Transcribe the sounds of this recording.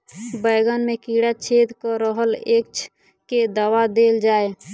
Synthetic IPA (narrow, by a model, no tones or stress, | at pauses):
bəjɡənmekiɽat͡ʃʰed̪kəɾəɦəlek̚t͡ʃʰ | ked̪əwad̪eːld͡ʒaːe